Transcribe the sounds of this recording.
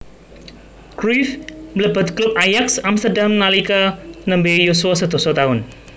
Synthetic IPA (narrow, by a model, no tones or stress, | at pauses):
kɾifmləbət̪̚klup̚ajaksamst̪ərdamnalikanəmbejosuasət̪usat̪aɦʊn